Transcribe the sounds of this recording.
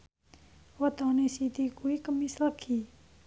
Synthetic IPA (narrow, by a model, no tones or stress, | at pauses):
ʋɐt̪ãːnesit̪ikuikəmisləkʰːiː